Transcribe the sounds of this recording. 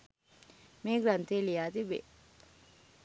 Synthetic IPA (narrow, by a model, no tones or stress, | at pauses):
meːɡɾant̪eːlijaːt̪ibḛ